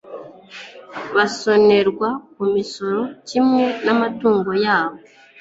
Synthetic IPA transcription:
βaso̞ne̞ɾɡwakumiso̞ɾo̞cimŋe̞namatuːŋɡo̞jaːβ̞o

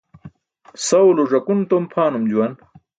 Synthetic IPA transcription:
sɐwloʐɐkunt̪ompʰaːnumd͡ʑuwɐn

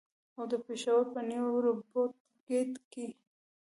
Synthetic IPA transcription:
awd̪əpeʃawəɾpənewwɾobot̪̚ | ɡet̪ki

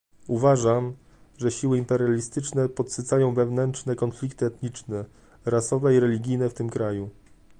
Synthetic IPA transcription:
uvaʐam | ʐɛɕiwɘimpɛɾjalʲist̪ɘt͡ʂnɛpɔt̪sɘt̪sajɔ̃w̃vɛvnɛntt͡ʂnɛkɔnflʲikt̪ɘɛt̪ɲit͡ʂnɛ | ɾasɔvɛiɾɛlʲiɡʲijnɛft̪ɘmkɾaju

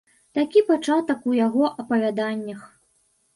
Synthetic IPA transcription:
t̪akʲipat͡ʂat̪ɐkujaɣɔʔɐpɐvʲad̪anʲːɐx

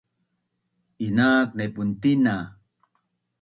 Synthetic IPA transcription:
inaːk̚nepunt̪ina

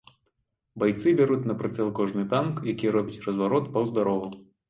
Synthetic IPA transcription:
bajt̪sɨbʲaɾut͡sʲnɐpɾɨt̪sɛlˠkɔʐnɨt̪ankjakʲiɾɔbʲit͡sʲrɐzvaɾɔt̪pɐwzd̪aɾɔvɐ

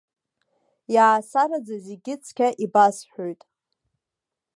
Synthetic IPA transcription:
jaːsaɾad͡zazeɡʲɪt͡sʰkʲʰaʔibasħʷᶣojtʼ

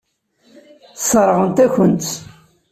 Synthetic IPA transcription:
θsˤɾˤəʁənt̪æçənt̪

